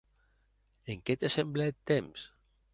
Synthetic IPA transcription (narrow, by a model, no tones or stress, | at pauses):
eŋket̪esembleet̪ːems